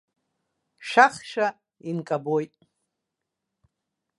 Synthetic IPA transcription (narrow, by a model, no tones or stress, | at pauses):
ʃaχʃa | inkʼabojtʼ